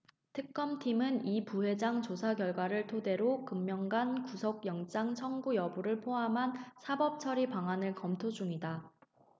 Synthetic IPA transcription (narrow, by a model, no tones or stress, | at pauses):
tʰɯk̚k͈ʌmtʰimɯnipuwe̞d͡ʑaŋt͡ɕosʰakjʌɭɡwaɾɯɭtʰode̞ɾokɯmːjʌŋɡankusʰʌɡ̚jʌŋt͡ɕ͈aŋt͡ɕʰʌŋɡujʌbuɾɯɭpʰoɦamɦansʰabʌp̚t͡ɕʰʌɾipaŋanɯɭkʌmtʰod͡ʑuŋida